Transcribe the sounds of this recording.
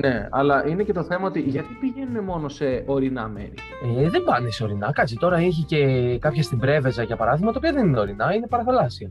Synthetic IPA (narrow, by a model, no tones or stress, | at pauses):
ne̞ɐ̰lɐʔinece̞t̪o̞θe̞mɐo̞t̪iʝɐt̪ipiʝe̞nune̞mo̞no̞se̞o̞ɾinɐme̞̰ɾi | eðe̞mbɐneseo̞ɾinɐkɐt͡sit̪o̞ɾɐiçice̞kɐpçɐst̪ibɾe̞ve̞zɐʝɐpɐɾɐðiɣmɐt̪opioðenineo̞ɾinɐine̞pɐɾɐθɐlɐsiɐ